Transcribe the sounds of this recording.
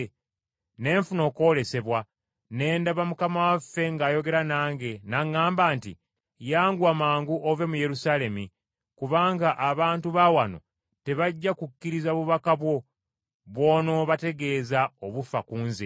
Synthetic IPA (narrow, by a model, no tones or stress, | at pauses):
ne̞ːɱfuno̞ːko̞le̞se̞βwa | ne̞ːndaβamukamawafːe̞ŋɡaːjo̞ɡe̞ɾanaːŋɡe̞naŋːaːmbaːnti | jaːŋɡwamaːŋɡuʔove̞muje̞ɾusaːle̞mi | kuβaːŋɡaʔːβaːntuβawano̞̰ | te̞βaɟːakukːiɾizaβuβakaβwo̞ | βwo̞ːno̞βate̞ɡe̞ːzaoβufakuːnzi